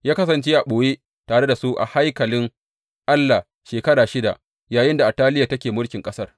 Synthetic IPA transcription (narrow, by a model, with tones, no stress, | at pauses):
jaː˦kɐ˦sɐ˨nt͡ʃeː˦ʔa˨ɓoː˨je˦ | taː˨ɽe˦da˨su˦ʔa̰˨ha˦jkɐ˨lɪ˦ŋ | ʔa˦lːa˨ | ʃeː˨kɐ˦ɽaː˨ʃɪ˦da̰˨ʔ | jaː˨jɪ˦nda˨ʔa˨tːaː˦lɪ˦ja˨tɐ˦kʲeː˨mʊ˦ɽkʲɪ˨ŋkʼɐ˦sɐ˦r